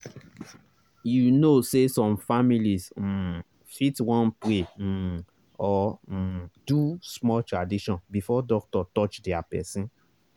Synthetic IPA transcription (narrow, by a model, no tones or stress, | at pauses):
junosesɔ̃mfamilis̩ | fitwɔ̃npɾe | ɔ | dusmɔltɹadiʃɔ̃nbifɔdɔk̚tɔtɔt͡ʃdɛapɛ̰sĩn